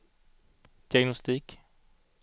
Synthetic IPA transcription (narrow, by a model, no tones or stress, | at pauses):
d̪̥ɪaɡnʊst̪iːk